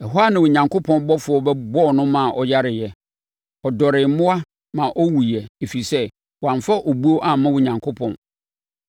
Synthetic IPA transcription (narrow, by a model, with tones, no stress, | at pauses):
ɛ˨ɦo˦a˦nɪ̃˨wʊ˨ɲã˨ŋkʰʊ˦pʰɔ̃˦n˦bɔ˦fʊ˨˦ɔ˦bɛ˦bɔ˦˨nʊ̃˦mã˨ʔɔ˨ja˦ɾɪ˨jɛ˨ | ɔ˨dɔ˨ɾɪ˨˦mʊ̃˦a˦ | mã˨ʔɔ˦wu˨jɛ˨e˨fi˨sɛ˦ | wã˨ɱfa˦ʔo˨bu˦o˦ʔa˨mã˦wʊ̃˨ɲã˨ŋkʰʊ˦pʰɔ̰̃˨n